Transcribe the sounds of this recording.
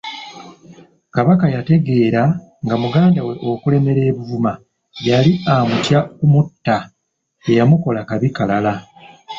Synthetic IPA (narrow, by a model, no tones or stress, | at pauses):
kaβakajate̞ɡe̞ːɾa | ŋɡamuɡaːndawe̞ʔo̞kule̞me̞ɾe̞ːβuvuma | βjaliamutjakumutːa | ejamuko̞lakaβikalala